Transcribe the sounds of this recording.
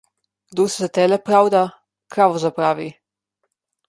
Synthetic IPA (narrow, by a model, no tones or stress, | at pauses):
d̪usezat̪ɛːlɛpɾawd̪a | kɾaʋɔzapɾaːʋi